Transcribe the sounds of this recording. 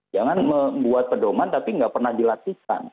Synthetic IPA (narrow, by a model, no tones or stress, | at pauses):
d͡ʒaŋanməmbuat̪̚pədomant̪apiəŋɡaʔpərnahdilat̪ika̰n